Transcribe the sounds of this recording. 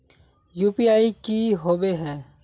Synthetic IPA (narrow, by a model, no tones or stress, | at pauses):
juːpiaːikiɦoːbeɦɛ̃ː